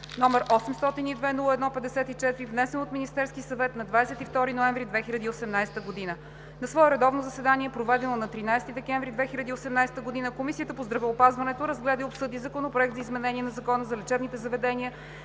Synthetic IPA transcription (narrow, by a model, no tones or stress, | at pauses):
nɔmɛɾʔɔsɛmst̪ɔt̪inid̪vɛnulˠəɛd̪nɔpɛd̪ɛsɛt̪it͡ʃɛt̪iɾivnɛsɛnot̪minist̪ɛɾskʲisɐvɛt̪nɐd̪vad̪ɛsɛt̪ift̪ɔɾinoɛɱvɾid̪vɛxilʲɐd̪iːosɛmnajsɛt̪əɡod̪inə | nɐsvɔɛɾɛd̪ɔvnozɐsɛd̪aniɛpɾovɛd̪ɛnonɐt̪ɾinajst̪id̪ɛkɛ̃ɱvɾid̪vɛxilʲɐd̪iosɛmnajsɛ̥t̪əɡod̪inəkomisiət̪əpozd̪ɾɐvɛopazvɐnɛt̪oɾəzɡlɛd̪əiopsɤd̪izɐkonopɾoɛk̚t̪zɐizmɛnɛniɛnɐzɐkɔnəzɐlɛt͡ʃɛbnit̪ɛzɐvɛd̪ɛniə